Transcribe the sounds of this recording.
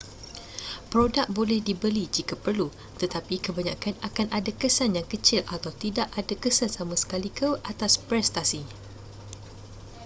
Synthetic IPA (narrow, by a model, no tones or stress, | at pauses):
pɾodak̚bolɛhdibəlid͡ʒikapərlu | t̪ət̪apikəbaɲãkanakanadakəsanjaŋkət͡ʃɪlat̪awt̪idaʔadakəsansamãsə̥kalikʰəʔat̪aspɾɛst̪asi